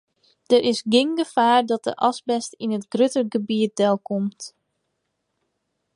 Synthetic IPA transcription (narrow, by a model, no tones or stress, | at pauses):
d̥əɾʔɪsɡɪŋɡəfaːɹdɔt̚də̰ʔɑsbɛstinətɡrøtərɡəbiət̚dɛlˠkʰomt